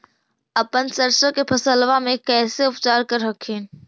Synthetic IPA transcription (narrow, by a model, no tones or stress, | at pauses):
ɐpənsəɾsõkepʰɐsəlʋamẽkɛːseʊpt͡ʃaːɾkəɾɦɐkʰiːn